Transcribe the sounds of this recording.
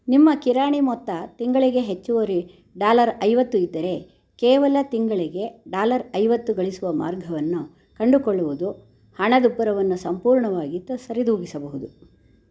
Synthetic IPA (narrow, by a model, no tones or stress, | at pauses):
nimːɐkiɾaːɳimɔt̪ːɐt̪iŋɡɐɭiɡe̞ɦet͡ʃːuʋoɾi | ɖaːlɐɾɐjʋɐt̪ːuid̪ːɐɾe̞ | keːʋɐlɐt̪iŋɡɐɭiɡe̞ɖaːlɐɾɐjʋɐt̪ːuɡɐɭisuʋɐma̰ːɾɡʱɐʋɐnːu | kɐɳɖukɔɭːuʋud̪u | hɐɳɐd̪upːɐɾɐʋɐnːusɐmpuːɾɳɐʋaːɡit̪ːɐsɐɾid̪uːɡisɐbɐɦud̪u